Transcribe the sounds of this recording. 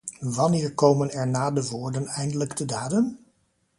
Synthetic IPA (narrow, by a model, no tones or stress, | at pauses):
ʋɑnɪːɹkowmənɛɹnaːdəʋoːɹdənɛjndələɡdədaːdən